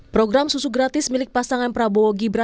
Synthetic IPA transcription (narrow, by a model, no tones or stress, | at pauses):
pɾoɡɾamsusuɡɾat̪ɪsmilɪk̚pasaŋanpɾabooɡibɾa